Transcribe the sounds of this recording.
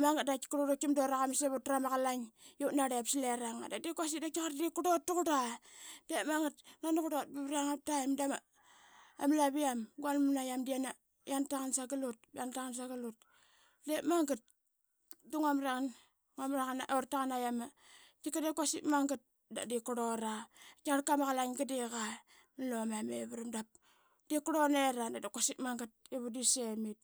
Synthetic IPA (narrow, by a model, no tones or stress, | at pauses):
maŋɡat̚daki̥kuɾodokimdoɾaɣamiseβutɾamaɣalaŋjonaɾepsileɾaŋa̰dadikwasidakikaɾdikudotːukudad̥emaŋɡatnanukudot̚biβɾaŋap̚taimdama | a̰mlaβiamɡwanunajamdiana | jantaŋansaɡalut̚bantaŋans̬aɡalut̚ | demaŋɡat̚ | duŋamɾaŋan | ŋamɾaŋanaʔoɾtaŋanajama | tikadekwasḭtmaŋɡat̚ | da̰dikoɾoɾakaɾkamaɣalaŋɡadiɣa | nilomameβaɾamdap̚ | d̥ikuɾoneɾadadakasitmaŋɡat̚eβudisemit̚